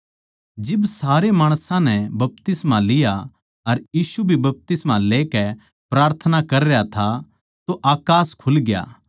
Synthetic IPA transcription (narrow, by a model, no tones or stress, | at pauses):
d͡ʒɪbsaːɾemaːɽ̃sãnɛbɐp̚t̪ɪsmãlɪja | ɐɾjiːʃubʱibɐp̚t̪ɪsmãleːkɛ | pɾaːɾt̪ʰənakɐɾejat̪ʰa | t̪oʔaːkaːskʰʊlɡɪja̰ː